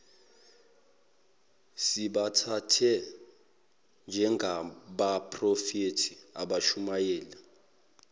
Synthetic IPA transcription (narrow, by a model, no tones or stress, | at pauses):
siɓatʰatʰɛ | nd͡ʒʱɛŋɡʱaɓapʰʼrɔfetʰiaɓaʃumajɛːla